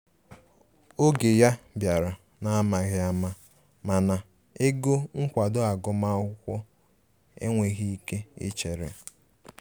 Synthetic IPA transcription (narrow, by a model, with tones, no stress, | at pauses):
o˦ɡe˨ja˦bja˨ɾa˨ | na˨˦ma˨ɣɪ˦a˦ma˦ | ma˨na˨ | e˦ɡo˦ŋ̩˦kʷa˨dʊ˦a˨ɡʊ˨ma˦ʊ˦kʷɔ˦ | ḛ˦ŋʷe˨ɣi˦i˦ke˦ɪ̰˦t͡ʃe˨ɾḛ˨